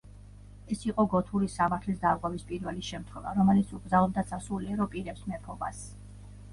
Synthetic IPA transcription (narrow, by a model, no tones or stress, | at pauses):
ɛsiqʼɔɡɔt̪ʰuɾisamaɾt̪ʰlisd̪aɡʼwɛvispʼiɾvɛlisʃɛmt̪ʰχwɛva̰ɾɔmɛlit̪sʰuɡɾzalˠɔb̚d̪at̪sʰasuliɛɾɔpʼiɾɛpsmɛpʰɔbas